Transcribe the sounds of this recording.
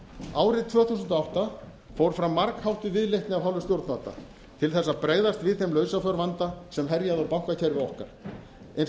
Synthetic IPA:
aːwɾɪðt̪ʰv̥œːθusʏnt̪ɔawht̪a | fowɾ̥fɾamːaɾkhawht̪ɪvɪðleht̪nɪavɦawlvɪst̪jowɾt̪naːt̪a̰ | t̪ʰɪlθɛsːapɾeːjðast̪vɪðθejmlœɥsafœɾvant̪asɛmɦɛɾjaðɔpawkacʰɛɾvɪɔhkaɾ̥ | en

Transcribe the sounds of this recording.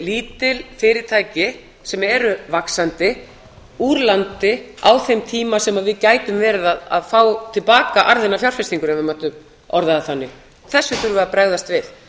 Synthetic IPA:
liːt̪ɪlfɪːɾɪɾ̥t̪ʰaːjcɪ | sɛmɛɾʏvaksant̪ɪ | uːɾlant̪ɪa̰wθejmt̪ʰiːmasɛmaðvɪðcaːjt̪ʏmvɛːɾɪðaða̰ðfaːwt̪ʰɪlpaːkaʔaɾðɪnːafjawɾ̥fɪst̪iŋkʏɾɛnvɪmaht̪ʏm | ɔɾðaðaθanːɪ | θɛsːʏθʏɾvʏapɾɛɣðast̪vɪð

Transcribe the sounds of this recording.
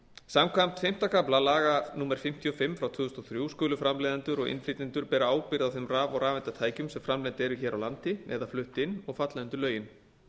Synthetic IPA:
samkʰvam̥t̪fejm̥t̪akʰaplalaːɣanuːmɛɾ̥fɪm̥t̪ʰjiɔfɪmːfɾawt̪ʰvʏːðʏst̪ɔθɾjuwskœːlʏfɾamleːðant̪ʏɾɔɣɪ̰nfliːt̪ɪnt̪ʏɾpɛːɾaaːwpɪɾðawθemraːvɔɾaːvɛnt̪at̪ʰaːjcʏmsɛmfɾamlɛnt̪ɛɾʏçɛːɾawlant̪ɪɛ̰ðaflʏht̪ɪnːɔɣfat̪laɪnt̪ʏɾlœːɥjɪn

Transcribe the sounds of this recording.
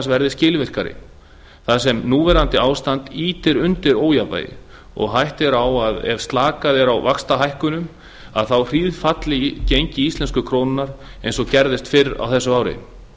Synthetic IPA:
svɛɾðɪscɪːlvɪr̥kaɾɪ̰ | θas̬ɛmnuːvɛɾant̪ɪaːwst̪ant̪iːt̪ɪɾʏnt̪ɪɾoːwjapa̰ːjɪ̰ | ɔ̰ɣɦajht̪ɛɾawaðɛ̰ɾ̥st̪laːkaðɪɾawvakst̪aɦajhkʏnʏm | a̰ðθawr̥iːðfat̪lɪcejɲcɪist̪ɛnskʏkʰɾoːnɪnːaɾejns̬ɔcɛɾðɪst̪fɪɾa̰wθɛsːʏaːwɾɪ̰

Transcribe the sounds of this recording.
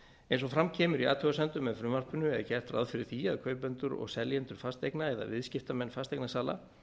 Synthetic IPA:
ẽjnsɔfɾamcʰɛːmʏɾia̰ːt̪ʰœɣasɛnt̪ʏmːɛðfɾʏmar̥pʏnʏɛðacɛr̥t̪ɾa̰ðfɪɾɪɾ̥θiaðkʰœːɥpɛnt̪ʏɾɔ̰ɣsɛljɛnt̪ʏɾ̥fast̪ejknaɛða̰vɪðscɪft̪amɛnːfast̪ejknasaːla̰

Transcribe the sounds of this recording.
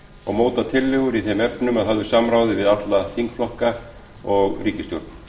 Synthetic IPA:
ɔɣmoːwt̪at̪ʰɪlːɪɣʏɾiθɛmɛpnʏmaðɦavðʏsamɾaːwðɪvɪðat̪laθiŋkflɔhka | ɔɣriːcɪst̪jowɾ̥t̪n̥

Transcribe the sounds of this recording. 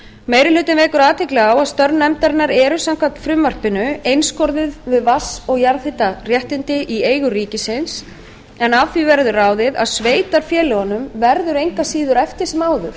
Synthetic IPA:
meːjɾɪlʏːt̪ɪnvɛːkʏɾaːt̪ʰɪklɛɣaːwaðst̪œɾnːɛmt̪aɾɪnːaɾɛːɾʏsam̥kʰvat̪fɾʏmːar̥pɪnʏejnskɔɾðɪðvɪðvasɔɣjaɾθɪt̪ar̥jɛht̪ɪnt̪ɪʔieːjɣʏriːcɪsɪns | ɛnavθivɛɾðʏraːwðɪða̰ðsveːjt̪aɾ̥fjɛːlɪhɔnːʏmvɛɾðʏɾejŋkasiːðʏɾɛft̪ɪɾ̥sɛmaːwðʏ̰ɾ̥

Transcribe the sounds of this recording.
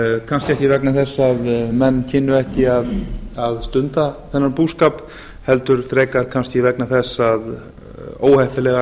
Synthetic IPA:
kʰanscɪɛhcɪvɛknaθɛsːaðmɛnːcʰɪnːʏɛhcɪaðaðst̪ʏnt̪aθɛnːaɾpuːskaːp | hɛlt̪ʏɾ̥θɾeːjkaɾ̥kʰanscɪvɛknaθɛsːað | o̰ːwhɛhpɪlɛɣa

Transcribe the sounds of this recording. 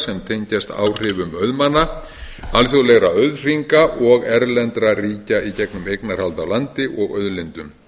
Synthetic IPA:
sɛmt̪ʰeɲcast̪a̰ːwr̥ɪːvʏmœðmanːa | alθjowlɛɣɾaœðr̥iŋkaʔɔɣɛɾlɛnt̪ɾariːcaicɛknʏmejknaɾ̥r̥halt̪awlant̪ɪʔɔɣœðlɪnt̪ʏm

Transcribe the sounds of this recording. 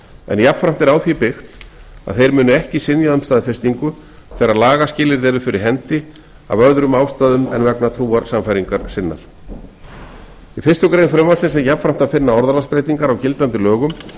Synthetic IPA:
ɛ̰njapfɾam̥t̪ɛɾawθipɪxt̪a̰ðθejɾmʏːnʏɛhcɪsɪnjaʏmst̪aːðfɪst̪iŋkʏθɛɾaðlaːɣascɪːlɪɾðɛːɾʏfɪɾɪɾɦɛnt̪ɪ | a̰vœɾðɾʏmaːwst̪aːðʏmɛ̰nvɛknat̪ʰɾuːaɾsamfajɾiŋkaɾ̥sɪnːa̰ɾ̥ | ifɪ̥st̪ʏkɾejnfɾœmasɛnsɛjapfɾam̥t̪aðfɪnːaɔɾðalaspɾejt̪iŋkaɾawcɪlt̪ant̪ɪlœːɣʏm

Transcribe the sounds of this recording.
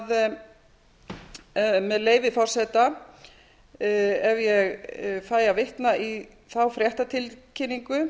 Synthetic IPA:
ð | mɛðleːjvɪfɔr̥sɛt̪a | ɛvjɛɣfaːjavɪht̪naʔi | θawfɾjɛht̪at̪ʰɪlcʰɪnːiŋkʏ

